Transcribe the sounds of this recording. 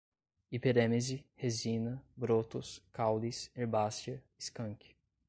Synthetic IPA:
ipeɾẽmezɪhezĩnɐbɾot̪ʊskawliseɾbast͡ʃɐiskɐ̃ŋkɪ̥

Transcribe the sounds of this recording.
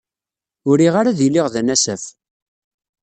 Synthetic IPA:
ʊɾiʁaɾaðilːiʁðænæsəæf

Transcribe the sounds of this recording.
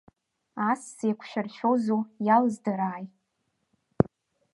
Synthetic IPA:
assejkʷʰʃᶣarʃʷᶣozujalzdaɾaːj

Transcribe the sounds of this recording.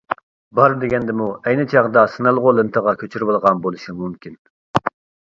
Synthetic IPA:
bɑɾd̪eɡʲɛnd̪ɪmuɛjnɪt͡ʃʰɑʁd̪ɑsɨnɑlˠʁolˠɨnt̪ʰəʁɑkʲʰøt͡ʃʰyɾbɨlˠʁɑnbolˠuʃimumkʲin

